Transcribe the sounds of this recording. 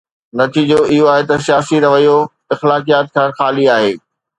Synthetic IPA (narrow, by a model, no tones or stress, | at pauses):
nɐt̪ʰiːd͡ʑoɪɦoaːɦet̪ɐsjaːsiɾɐʋəijo | ɪxlaːkijaːt̪̚kʰãːxaːliaːɦeː